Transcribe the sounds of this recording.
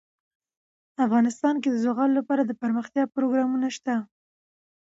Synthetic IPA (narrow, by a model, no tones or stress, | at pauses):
afɣɑnɪst̪ɑnk̬ed̪əzoɣɑlolapɑɾad̪əpəɾməxt̪jɑpɾoɡɾɑmunaʃt̪a